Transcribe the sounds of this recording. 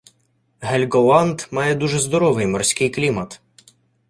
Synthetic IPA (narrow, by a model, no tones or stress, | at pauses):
ɦɛlʲɡɔlˠɑnd̪mɑjɛd̪uʒɛzd̪ɔɾɔʋɪjmɔrsʲkɪjklʲimɐt̪